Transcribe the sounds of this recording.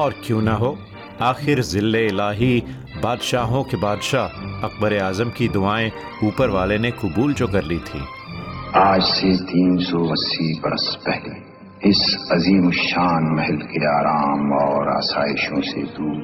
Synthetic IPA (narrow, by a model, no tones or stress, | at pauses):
ɔːɾkjõːnɐɦoː | aːxɪɾzɪlːeɪlaːɦi | baːd̪ʃaːɦõkebaːd̪ʃaːɦɐq̚bəɾeaːzəmkid̪ʊaːẽ | uːpəɾʋaːlenekʊbuːlt͡ʃokɐɾlit̪ʰḭː | aːd͡ʒset̪iːnsɔːbɐsːibɐɾə̰spɛɦle | ɪsɐziːmʊʃaːnmɛɦɛlkeaːɾaːmɔːɾa̰ːsaːɪʃõsḛd̪uː